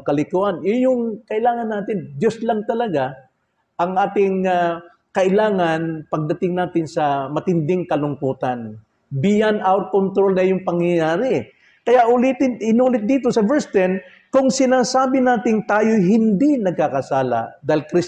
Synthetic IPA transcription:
kɐlɪkuʔanɪjʊŋkɐʔɪlaːŋɐnːaːt̪ɪnd̪joslaŋt̪ɐlɐɡa | ʔɐŋʔaːt̪ɪŋa | kɐʔɪlaːŋanpɐɡ̚d̪ɐt̪ɪŋnaːt̪ɪnsɐmɐt̪ɪnd̪ɪŋkɐlʊŋkuːt̪an | bɪjanawɾkont̪ɾolnɐjʊŋpɐŋjɐjaːɾɪ | kɐjaʔʊlɪt̪ɪnɪnuːlɪt̪̚d̪iːt̪osɐvɛɹst̪ɛn | kʊŋsɪnaːsaːbɪnaːt̪ɪŋt̪aːjojɦɪnd̪inɐɡ̚kakɐsaːla̰d̪aːhɪlkɾɪs

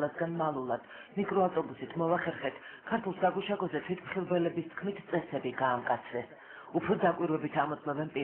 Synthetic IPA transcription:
asɡanmalˠulˠad̪̥ | mikʼɾɔaft̪ʼɔbusit̪ʰmɔvaχɛɾχɛt̪ʰkʰaɾt̪ʰulˠsaɡuʃaɡɔzɛt̪ʰwit̪ʰmχilˠbɛlɛbist̪ʰkʰmit̪ʰt̪sʼɛsɛbiɡaːmkʼat̪sʰɾɛs | upʰɾɔd̪akʼwiɾwɛbit̪ʰamɔt̪sʰmɔbɛnpʼi

